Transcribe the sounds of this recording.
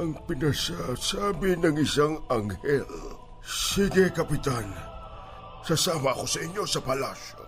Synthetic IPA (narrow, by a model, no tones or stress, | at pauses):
ʔɐŋpɪnɐsasaːbɪnɐŋɪsaŋɐŋhɛl | siɡɛkɐpɪt̪an | sasaːmɐko̞sɐʔɪɲːo̞sɐpɐlasjo̰